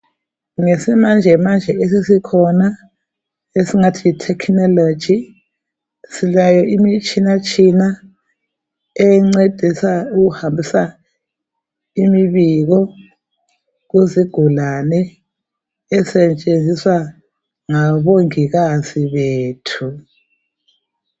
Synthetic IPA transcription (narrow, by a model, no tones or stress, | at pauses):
ŋesimand͡ʒʱɛmand͡ʒʱɛesisikʰɔna | esiŋatʰiitʰɛkʰnɔlo̥d͡ʒʱi | silajɔʔimit͡ʃʰʼinat͡ʃʰʼina | ɛŋ͡ǀed̥ʱisauɣuhambʱisa | imiβiɣɔ | ɣuziɡ̥ʱulanɛː | sɛt͡ʃʼend͡zʱiswa | ŋaβoŋiɣaziβeːtʰu